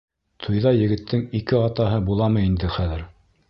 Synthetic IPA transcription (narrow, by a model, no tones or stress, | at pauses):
t̪ʰujðɑjɘ̆ɡɘ̆t̪ːɘŋikɘɑt̪ɑɦɤbulˠɑmɤind̪ɘχæðɘɾ